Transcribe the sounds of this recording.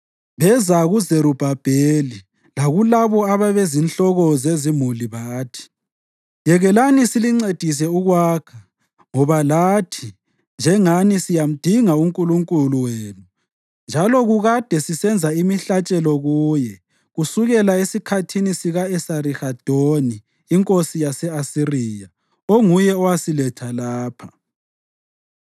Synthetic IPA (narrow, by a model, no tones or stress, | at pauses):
βɛzaɣuzeɾub̥ʱab̥ʱeli | laɣulaβɔaβaβezinɬɔɣɔzezimuliβaːtʰi̥ | jɛɣɛlanisiliŋ͡ǀed̥ʱis̬ɛuɣwaːkʰa | ŋɔβalaːtʰi | nd͡ʒʱɛŋanisijam̩d̥ʱiŋauŋkʼuluŋkʼuluweːnu | nd͡ʒʱalɔɣuɣad̥ʱɛsisɛnd͡zʱaimiɬat͡ʃʼɛlɔɣuːjɛ | ɣusuɣɛlaesikʰatʰinisiɣaɛsarixad̥ʱoniː | ŋkʼosijasɛasirija | oŋujɛɔwasilɛtʰalaːpʰḁ